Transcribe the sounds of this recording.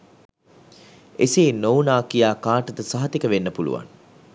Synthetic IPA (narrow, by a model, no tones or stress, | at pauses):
eseːnownaːkijaːkaːʈət̪əsɐɦɐt̪ikəʋenːəpulṵʋa̰ŋ